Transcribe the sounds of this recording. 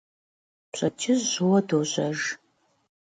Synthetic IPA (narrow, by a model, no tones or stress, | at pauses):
pɕʼɐt͡ʃʰɪzːʊwɐdoːɕʷɐʒ